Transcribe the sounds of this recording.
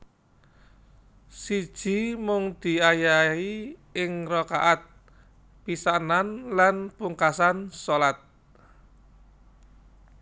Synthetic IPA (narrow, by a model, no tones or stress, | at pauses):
sid̥ʒ̥i̤mʊŋd̪̥i̤ajaiɪŋrɔkaʔat̪̚ | pisananlanpuŋkasansolat̪̚